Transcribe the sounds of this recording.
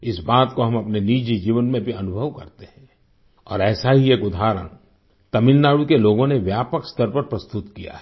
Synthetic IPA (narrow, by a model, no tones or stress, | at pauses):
ɪsbaːt̪koɦɐ̃mɐpneniːd͡ʒid͡ʒiːʋənmẽbʱiɐnʊbʱəʋkɐ̰ɾt̪eɦɛ̃ː | ɔ̰ːɾɛːsaɦieːkʊd̪ʱaːɾə̰ñ | t̪ɐmɪlnaːɽukeloːɡõneʋjaːpəkst̪əɾpɐɾpɾɐst̪ʊt̪kija̰ɦɛ